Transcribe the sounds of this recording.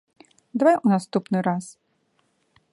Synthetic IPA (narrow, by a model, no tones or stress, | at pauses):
d̪vajunast̪upnɨɾas